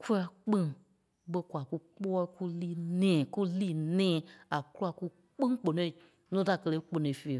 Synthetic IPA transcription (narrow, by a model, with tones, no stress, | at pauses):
ku˦la˧k͡pĩ˦ŋ | ɓə˧kʷa˨ku˦k͡pɔː˦ku˦liː˦˨nɛ̃ː˨ku˦liː˦˨nɛ̃ː˦˨a˨ku˦a˧˨ku˦ | k͡pɨ̃˦ŋ˦k͡po˨nõ˧i˨ | nũ˦ta˨kə˧le˧˦k͡po˧nõ˨i˨fe˨